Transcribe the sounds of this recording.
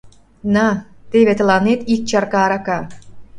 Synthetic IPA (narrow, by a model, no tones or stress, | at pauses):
nɑt̪eβet̪ə̆lɑnet̪ik̚t͡ɕɑɾkɑːɾɑkɑ